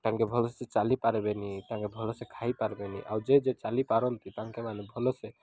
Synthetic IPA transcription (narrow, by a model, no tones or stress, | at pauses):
t̪ãŋkebʱɔlɔsset͡ʃalipaɾbenit̪ãŋkebʱɔlɔsekʰajpaɾbeniʔawd͡ʒed͡ʒet͡ʃalipaɾɔnt̪it̪ãŋkemanebʱɔlɔse